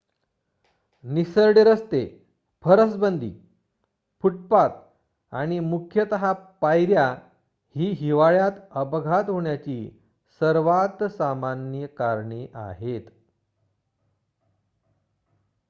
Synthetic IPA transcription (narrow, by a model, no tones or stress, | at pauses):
nisəɾɽeɾəst̪e | pʰəɾəsbənd̪ʱḭː | puʈ̚pat̪̚ | a̰ɽ̃imukʰjət̪əɦapajɾja | hiːɦiʋaɭjat̪əpɡʱat̪ɦoɳjat͡ɕiː | səɾʋat̪samanjəkaɾɳiʔa̰ɦet̪